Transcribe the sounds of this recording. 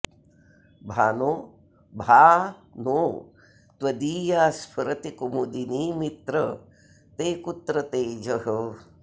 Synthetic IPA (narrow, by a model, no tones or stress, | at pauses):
bʱaːnoː | bʱaːnoː | t̪wɐd̪iːjaːspʰɐɾɐt̪ikumud̪iniːmit̪ɾɐ | t̪eːkut̪ɾɐt̪eːd͡ʒɐɦə